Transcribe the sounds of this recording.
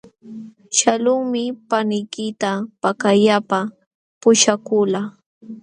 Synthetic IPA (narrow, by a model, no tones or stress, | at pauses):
ʃalʊŋmɪpanɪjkɪt̪apakajapa | pʊʃakʊla